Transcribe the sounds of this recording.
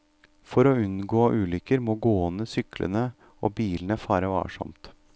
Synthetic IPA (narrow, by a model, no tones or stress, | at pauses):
fɔɾɔʉnɡoːʔʉːlʏkəɾmoːɡoːɔnəsʏklə̰nə | ɔbiːlənəfɑːɾəʋɑ̰ːʂɔ̰mt̪